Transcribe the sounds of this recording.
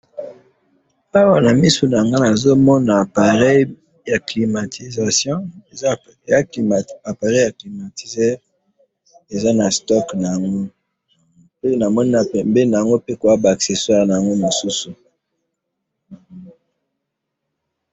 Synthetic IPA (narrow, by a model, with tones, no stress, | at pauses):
a˦wa˦na˨mi˦su˨na˨ja˨ŋɡa˦na˨zo˦mɔ˦na˨pa˨ʁɛ˦ | ja˨kli˨ma˨tʰi˨za˨sjɔ̃˦˨˦ | a˨pa˨ʁɛ˦ja˨kli˨ma˨ti˨ze˦ | e˨za˦na˨stɔ˦kna˨ja˨ŋɡo˦ | pe˦na˨mɔ˦ni˦na˨ɛ˨mbe˦na˨ja˨ŋɡo˦pe˦ko˨ja˦ba˨kse˨swa˦˨ʁna˨a˨ŋɡo˦mo˨su˦su˨